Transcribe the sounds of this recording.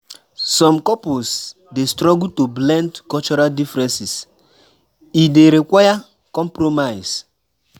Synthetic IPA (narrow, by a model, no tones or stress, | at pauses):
sɔ̃mkɔpos | destɾɔɡutublɛ̃ndkɔlt͡ʃɔɾaldifɾɛ̃nsis | ideɾikwaja | kɔ̃mpɾomaɪs